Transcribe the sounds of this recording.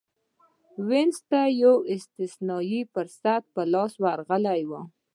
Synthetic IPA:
wenzt̪ajawɪst̪ɪsnɑjifəɾsat̪̚pəlɑswaɾɣəlajwə

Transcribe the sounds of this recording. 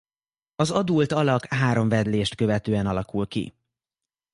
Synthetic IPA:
ɒzɒd̪ult̪ɒlɒkɦaːɾo̞ɱvɛd̪leːʃt̪kø̞vɛt̪øːɛnɒlɒkulkḭ

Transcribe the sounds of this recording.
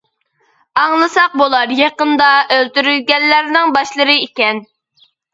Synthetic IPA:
ɑŋlˠɨsɑq̚bolˠɑɾjɑqənd̪ɑʔølt̪yɾylɡʲɛnːæɾnɪŋbɑʃlˠəɾɨikʲɛn

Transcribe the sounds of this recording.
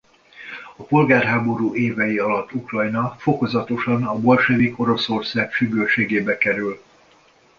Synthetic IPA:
ɒpo̞lɡaːrɦaːbo̞ɾuːeːvɛjiɒlɒt̪ːukrɒjnɒfo̞ko̞zɒt̪o̞ʃɒnɒbo̞lʃɛviko̞ɾo̞so̞rsaːkʃyɡøːlʃeːɡeːbɛkɛɾyl

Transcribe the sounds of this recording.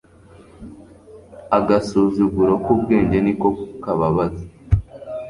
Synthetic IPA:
aɡasuzuɡuɾokub̚ɡeːɲɟe̞niko̞kaβaβaze

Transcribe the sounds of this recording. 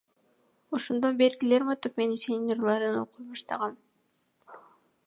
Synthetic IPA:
oʃond̪o̞nbe̞ɾɡile̞ɾmɑt̪upmenisenʲrlˠɑɾɯno̰qujbɑʃt̪ɑʁɑm

